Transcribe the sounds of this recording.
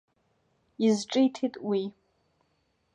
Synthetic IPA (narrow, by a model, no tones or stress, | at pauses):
izʈ͡ʂʼijtʰitʼwi